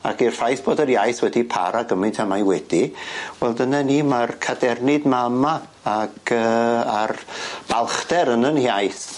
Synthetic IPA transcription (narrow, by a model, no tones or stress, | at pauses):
akirfajθb̥oːdərjajθwɛdipʰa̰ɾaɡəmɨntʰamajwɛd̥iwɛlˠdənanimarkʰadɛrnɨdmama | aɡ̥əːarb̥alˠχdɛɾənənhjajθ